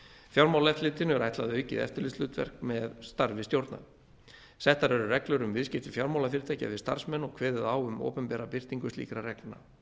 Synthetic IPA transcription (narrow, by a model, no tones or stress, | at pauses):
fjawɾmawlɛft̪lɪːt̪ɪnʏɛɾajt̪laðʏœːɥjcɪ̰ðɛ̰ft̪ɪɾlɪst̪lʏːt̪vɛ̰r̥k̚mɛðst̪aɾvɪst̪jowɾt̪na̰ | sɛht̪aɾɛɾʏrɛklʏɾʏmvɪðscɪft̪ɪfjawɾmawlafɪɾɪt̪ʰaːca̰ðɪst̪a̰r̥smɛnːɔɣkʰvɛːðɪðawʏmo̰ːpɛmpɛːɾapɪr̥t̪iŋkʏst̪ḭːkɾarɛknna̰